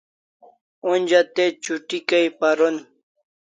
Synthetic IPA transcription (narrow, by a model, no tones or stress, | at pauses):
unʲd͡ʑat̪et͡ɕuʈikaipaɾon